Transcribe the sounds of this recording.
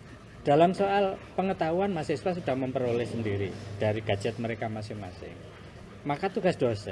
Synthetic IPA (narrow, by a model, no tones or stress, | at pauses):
d̥a̤lamsoalpəŋət̪auanmasɪswasud̥ahməmpəɾolɛhsəndiɾid̥aɾiɡ̥a̤̥d͡ʒɛt̪̚məɾekamasɪŋma̰sɪ̰ŋ | makat̪uɡasd̥osa̰